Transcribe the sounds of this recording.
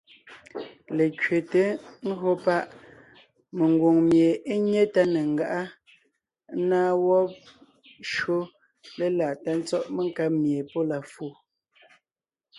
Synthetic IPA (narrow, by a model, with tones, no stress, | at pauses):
le˨kɥe˨te˨˦ŋ̩˦ɦo˦pa˦ʔ | me˨ŋ˨ɡwo˨ŋmje˨e˦ɲe˦ta˦ne˨ŋ˦ɡa˨ʔa˦ | naː˦wɔ˦p̚ | ʃo˦ | le˦la˨ta˦n̩˦t͡sɔ˦ʔme˦ŋ˦ka˦p̚mje˨po˦la˨fu˨